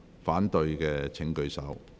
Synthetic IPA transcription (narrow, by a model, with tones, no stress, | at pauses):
faː˨˥nt̪ɵ˧jkɛː˧t͡sʰɪ˨˥ŋkɵ˧ɥsɐ˨˥w